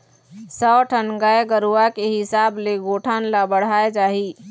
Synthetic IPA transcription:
sɔːʈʰənɡaːeɡəɾuakeɦɪsaːbleɡoːʈʰaːnlabəɽ̤aːed͡ʒaːɦiː

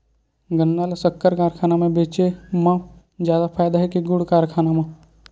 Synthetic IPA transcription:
ɡənːaːlsəkːəɾkaːɾkʰaːnamẽbeːt͡ʃemã | d͡ʒjaːd̪apʰaːjd̪aɦɛkiɡʊɽkaːɾkʰaːnamã

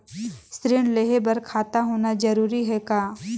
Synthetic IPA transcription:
sɾɪːɽ̃leɦebɐɾkʰaːt̪aɦoːnad͡ʒɐɾuːɾiɦɛkaː

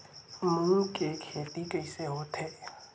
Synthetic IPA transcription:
mũkekʰeːt̪ikəiseɦot̪ʰeː

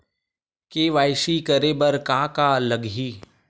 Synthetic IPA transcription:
keːʋaːɪʃikəɾeːbɐɾkaːkaːləɡɦiː

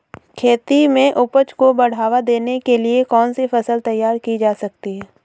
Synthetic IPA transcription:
kʰeːt̪imẽʔʊpət͡ʃkobɐɽ̤aːʋad̪eːnekeliekɔːnsifɐsəlt̪ɐjːaːɾkid͡ʒaːsɐkt̪iɦɛː

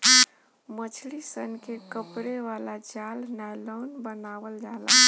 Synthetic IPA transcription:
mət͡ʃʰlisənkekəpɾeʋalad͡ʒalnalɔnbənaʋəld͡ʒala

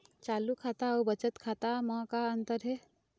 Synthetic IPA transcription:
t͡ʃaːlukʰaːt̪aobət͡ʃət̪kʰaːt̪amãkaənt̪əɾɦɛ

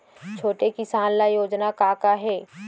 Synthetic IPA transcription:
t͡ʃʰoːʈekɪsaːnlajoːd͡ʒnakaːkaɦɛː

